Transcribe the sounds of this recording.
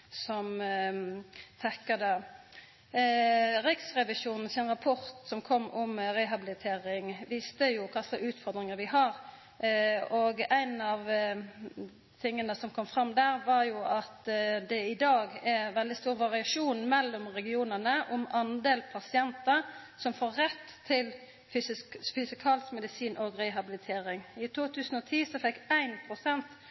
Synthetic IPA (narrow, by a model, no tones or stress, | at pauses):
sɔm | t̪ʰɛkːɑd̪ə | ɾɪksʁɛʋɪʃuːnn̩sɪnʁɑpʰɔɾt̪sɔmkʰɔmːɔmɾɛɦɑbɪlɪt̪ʰeːɾɪŋʋist̪əjʊkʰɑsəʉːt̪fɔʁd̪ɾɪŋəɾʋɪɦɑɾ | oɡæɪnɑʋ | t̪ʰɪŋːənəsɔmkʰɔmːfɾɑmːd̪æːɾʋɑɾjʊʔɑt̪d̪ɛɪd̪ɑːɡɛʋɛld̪ɪst̪uːʁʋɑʁɪɑʂuːnmɛlːɔmʁɛɡɪuːnənəʔʊmɑnd̪eːlpʰɑsɪɛnt̪əsɔmfoːʁɛt̪ʰːɪl | fysɪskfʏsɪkʰɑːlskmɛd̪ɪsiːnʔɔɡɾɛɦɑbɪlɪt̪ʰeːɾɪŋɪt̪ʰuːt̪ʰʉːsən̩ɔt̪ʰiːsɔfɛkːæɪnpʰʁʊsɛnt̪